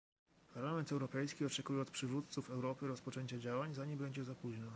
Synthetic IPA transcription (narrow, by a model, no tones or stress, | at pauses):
paɾlamɛnt̪ɛwɾɔpɛjskʲiɔt͡ʂɛkujɛɔt̪pʂɘvut̪t̪sufɛwɾɔpɘɾɔspɔt͡ʂɛɲt͡ɕad͡ʑawaɲzaɲɛbɛɲd͡ʑɛzapuʑnɔ